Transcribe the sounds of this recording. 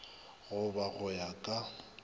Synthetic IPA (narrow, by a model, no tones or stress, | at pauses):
ɣʊbaɣʊjakʼa